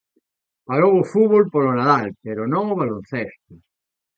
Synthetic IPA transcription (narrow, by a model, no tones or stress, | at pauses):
paɾowofuβolpolonaðalpeɾonõŋoβ̞alonθest̪o